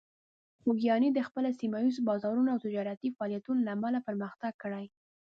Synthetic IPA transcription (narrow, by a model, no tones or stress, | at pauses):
xoɡjɑnid̪əxpəlasimajizbɑzɑɾunaawt̪ɪd͡ʒɑɾat̪ifaɑljat̪unolaːmalapəɾməxt̪aɡ̚kːəɽaj